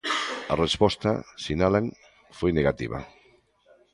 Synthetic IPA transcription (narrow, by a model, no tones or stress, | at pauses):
arespɔst̪a̰sinalaŋ | fojneɣat̪ḭβa̰